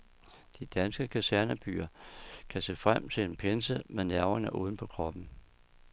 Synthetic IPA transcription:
d̥id̥ænsɡ̥əkʰæsæɐnæb̥y̰ːɐkʰæsefʁam̰t͡sʰe̝e̝npʰensəmenæɐɐnəʔṵːð̞ˠn̩pʰɒ̽kʰʁɒ̽b̥n̩

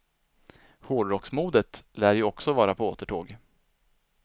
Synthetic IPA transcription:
hoːɖɾɔksmuːd̪ət̪læːɾjɵɔksɔvɑːɾapʰɔoːt̪əʈʰoːɡ

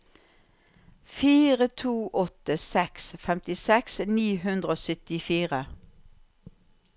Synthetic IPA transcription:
fiːʁət̪ʰuːʔɔt̪əsɛksfɛmt̪ɪsɛksniːhʉnd̪ʁəoːsʏt̪ɪfiːʁə

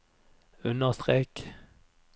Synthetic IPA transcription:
ʉnəʁst̪ʁeːk

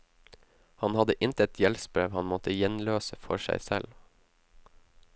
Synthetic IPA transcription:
hɑnhɑd̪əʔɪnt̪əɛt̪ʰjɛlspɾeːʋhɑnmɔt̪əjɛnløːsəfɔ̰ʃæ̰ɪsɛl

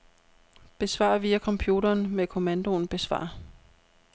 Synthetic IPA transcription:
b̥e̝sʋɑ̰̈ʋiːækʰɒ̽mpʰjuːɾɐːnmekʰo̝mænd̥o̝nb̥e̝sʋɑ̰̈

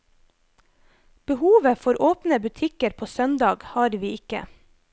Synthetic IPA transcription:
b̥əhuːʋəfɔɾʔoːpnəbʉt̪ʰɪkəɾpʰoːsœnd̪ɑːɡhɑːɾʋiːɪkə̰

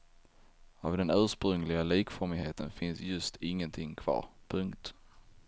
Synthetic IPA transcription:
avd̪ɛnøːʂpɾɵŋlɪɡaliːkfɔɾmɪɦeːt̪ʰənfɪnsjɵst̪ɪŋːənt̪ʰɪŋːkʰv̥ɑ̰ːɾpʰɵŋkt̪

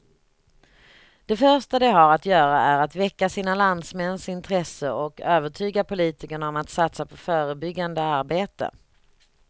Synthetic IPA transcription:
d̪̥ɛfœʂʈad̪ɛɦaɾat̪jœːɾaʔæɾat̪vɛkːasiːnaland̪smɛnsɪnt̪ʰɾɛsəɔkøːvəʈʰyːɡapʊliːt̪ɪkəɳaɔmat̪sat̪sapʰɔfœːɾəbʏɡːand̪əaɾbeːt̪ə̰

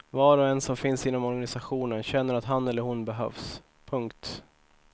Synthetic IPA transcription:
vɑːɾɔɛnsɔmfɪnsɪnːɔmɔɾɡanɪsaɧuːnənɕɛnːəɾat̪ɦanɛlːəɾhʊnbɛɦœ̰vs | pʰɵŋkt̪

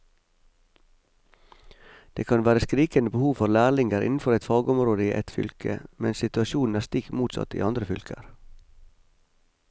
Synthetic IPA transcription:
d̪̥eːkʰɑnʋæːɾəskɾiːkənəbəhuːʋfɔɾlæːɭɪŋɡəɾʔɪ̰nn̩fɔɾɛt̪fɑːɡɔmɾoːd̪əiːʔɛ̰t̪fʏ̰lkʰə̰mɛnsɪt̪ʉɑʃuːn̩æːst̪ɪk̪muːt̪sɑ̰t̪ḭːɑnd̪ɾəfʏlkʰə̰ɾ

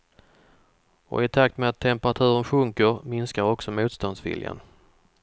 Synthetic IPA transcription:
ɔ̰ɪt̪ʰak̚t̪meat̪ʰːɛmpəɾat̪ʰʉ̟ːɾənɧɵŋkəɾmɪnskaɾɔksɔmuːt̪st̪ɔnsvɪ̰lja̰n

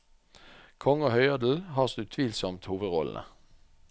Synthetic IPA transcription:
kʰɔŋəoːhœʏɑd̪l̩hɑːʁsd̪ʉt̪ʰʋiːlsɔmt̪huːʋəd̪ʁɔln̩ə̰

